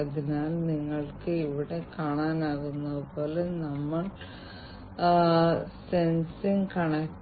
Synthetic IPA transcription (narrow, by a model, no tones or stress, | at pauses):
ɐðinaːlniŋːɐɭkɨiʋiɽe̞kaːɳaːnaːɣunːɐðɨpo̞ːlenɐmːɐɭ | se̞nsiŋkɐɳɐk̚ʈ